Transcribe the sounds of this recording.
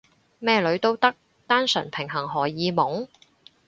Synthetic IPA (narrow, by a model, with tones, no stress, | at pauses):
mɛː˥lɵ˨˧ɥt̪o˥wt̪ɐ˥k̚ | t̪aː˥nsɵ̰˨˩npʰɪ˨˩ŋɦɐ˨˩ŋɦɔː˨˩jiː˨˧mʊ˨˥ŋ